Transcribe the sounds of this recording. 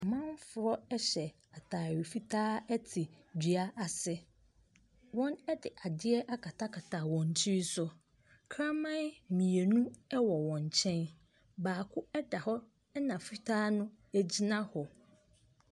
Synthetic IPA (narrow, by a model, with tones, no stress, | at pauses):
mã˦nfʊ˨ɾɔ˦ɛ˦ɕɛ˨ | a˨tʰaː˨ɥɪ˨fi˦tʰaː˦ɛ˦tʰɪ˨d͡ʑi˨a˦ʔa˨sɪ˦ | wɔ̃˦nɛ˦dɪ˨ʔa˨dɪ˦ɛ˦ʔa˦kʰa˨tʰa˦kʰa˨tʰaː˨wɔ̃˨n˨t͡ɕʰi˦i˦sʊ˦ | kʰɾã˦mã˦mĩ˨e˨nũ˦ɛ˦wɔ˨wɔ̃˨ɲ˨t͡ɕʰɛ̃˦n | baː˨kʰʊ˦ɛ˦da˨hɔ˦ | nã˨fi˦tʰaː˦nʊ̃˦æ˦d͡ʑi˦nã˦hɔ˨